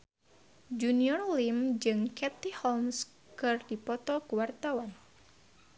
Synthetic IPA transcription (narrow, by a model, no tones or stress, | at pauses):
d͡ʒuniɔrlimd͡ʒɨŋkɛt̪ihɔlms | kɨrdipɔt̪ɔkuwart̪awan